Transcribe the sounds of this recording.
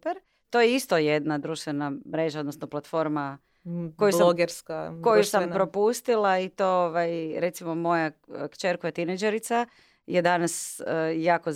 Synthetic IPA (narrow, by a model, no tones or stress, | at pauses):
peɾ | t̪o̞jeist̪oje̞d̪nad̪ɾuːʃt̪ʋenamɾe̞ːʒaod̪nosnoplˠat̪fo̞ɾma | kojulsaɡeɾskakojjusampɾo̞pust̪ilait̪ooʋajɾe̞t̪simo̞mo̞jakt͡ʃeɾkojat̪ined͡ʒeɾit̪sa | jed̪anasjaːkoz